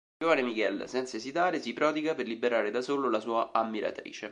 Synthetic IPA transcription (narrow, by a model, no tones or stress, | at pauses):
oːvanemikɛlsɛnt̪saezit̪aːɾesipɾɔːd̪iɡaperlibeɾaːɾed̪asoːlolasuːaʔamːiɾa̰t̪ɾḭːt͡ʃe